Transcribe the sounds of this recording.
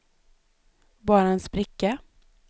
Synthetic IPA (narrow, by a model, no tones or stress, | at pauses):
bɑːɾaɛnsbɾɪkːa